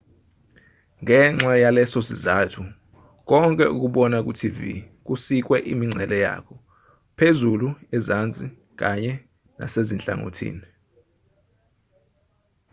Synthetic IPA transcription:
ŋɛŋ͡ǁajalɛsɔsizatʰu | k̬ɔŋkʼɛʔuk̬uɓɔnak̬ʼutʰivḭ | k̬usik̬ʼwɛʔimiŋ͡ǁʱɛlɛja̰kʰɔ | pʰezuluɛzand͡zʱʼi | k̬aɲɛ | na̰sezint͡ɬʼa̰ŋo̰tʰḭːni

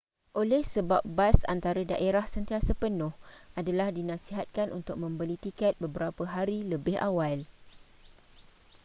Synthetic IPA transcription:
ʔolɛhsəbap̚basa̰nt̪aɾada̰ʔeɾahsənt̪iasəpənʊ̃hʔadalahdinãsiɦat̪̚kanʔṵnt̪ʊk̚mə̃mbəlit̪ikɛt̪̚bəbəɾapəɦaɾiləbɪha̰wal

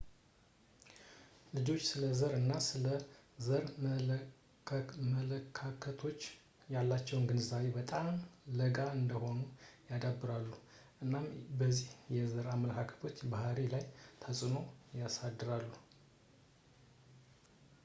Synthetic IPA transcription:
lɨd͡ʒo̞t͡ʃːsɨləzəɾɨnːasɨləzəɾm | mələkʰːakʰət̪ʰo̞t͡ʃː | jalːat͡ʃːɛwnɡɨnzawebət̪ʼamləɡaɨnd̪əho̞nujad̪abːɨɾalːu | ʔɨnːambəzːihjɛzəɾamːələkʰakʰə̥t̪ʰo̞t͡ʃːbahɾelajt̪ʰəsʼɨno̞jasad̪ːɨɾalːu

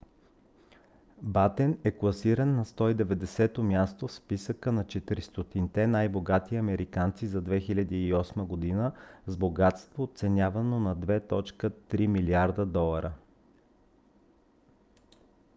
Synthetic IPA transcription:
bat̪ɛnɛklˠɐsiɾənːɐst̪ɔid̪ɛvɛd̪ɛsɛt̪omʲjast̪ofspisəkənɐt͡ʃɛt̪iɾist̪ot̪int̪ɛnajboɡat̪iɐmɛɾʔikant̪sizɐd̪vɛxilʲɐd̪iːɔsməɡod̪inəzboɡat̪st̪voːt̪sɛnʲjavɐnonɐd̪vɛt̪ɔt͡ʃkət̪ɾimiliaɾd̪əd̪ɔlˠɐɾə

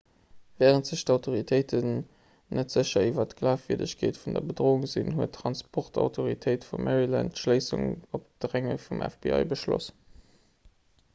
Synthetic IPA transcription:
vɛːʁəntz̥əɕtɑʊtʰoʁitʰəɪtʰən | nətz̥əɕɐivɐtɡlaːfviɐdə̰ɕkʰeːtfundɐbədʁoːuŋzinhuətʰːʁɑnspʰɔʁtʰɑ̰ʊtʰoʁitʰəɪtfumʔæʁilæ̰ntʃləɪsṵŋop̚d̥ʁæŋə̰fumʔɛ̰fbḭɑ̰ɪbəʃlo̰s

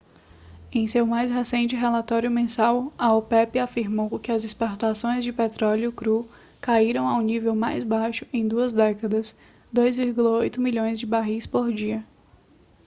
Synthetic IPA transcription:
ẽj̃sewmajsɦesẽnt͡ʃɪɦelat̪ɔɾjʊmẽsawɐopɛpɪafiɾmowkɪɐzɪspoɾt̪asõj̃zd͡ʒɪpet̪ɾɔljʊkɾu | kaiɾɐ̃w̃awnivewmajzbajʃʊ̥ẽj̃d̪uɐzd̪ɛkɐd̪ɐs | d̪ojzviɾɡulɐojt̪ʊmiʎõj̃zd͡ʒɪbaɦispoɾd͡ʒiɐ

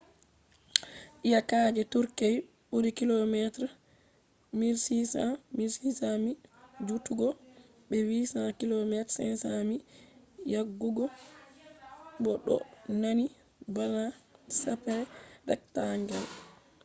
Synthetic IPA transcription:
ʔijakaːd͡ʒɛtuɾkej | ɓuɾikilɔmɛtɾa | miɾsisa̰miɾsisamid͡ʒutuɡɔ | bɛwisakilɔmɛtsɛ̰nsami | jaɡːuɡɔ | bɔɗɔ̰nani | banasapɛɾɛdɛ̰ktaŋɡal

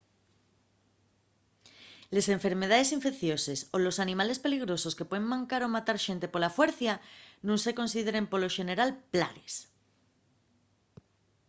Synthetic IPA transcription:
lesẽ̞ɱfe̞ɾme̞ð̞aðe̞siɱfe̞kθjo̞se̞so̞lo̞sanĩmale̞spe̞liɣ̞ɾo̞so̞ske̞pweðeŋmãŋkaɾo̞mat̪aɾʃe̞nt̪epo̞lafwe̞ɾθjanũnse̞ko̞nsiðe̞ɾe̞mpolo̞ʃe̞ne̞ɾalpla̰ɾes

